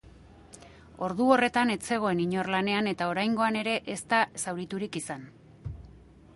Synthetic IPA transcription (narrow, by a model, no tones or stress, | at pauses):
o̞ɾðuo̞re̞t̪ane̞t͡se̞ɣ̞o̞e̞niɲo̞rlane̞ane̞t̪ao̞ɾajŋɡo̞ane̞ɾe̞ʔest̪asawɾit̪uɾikisan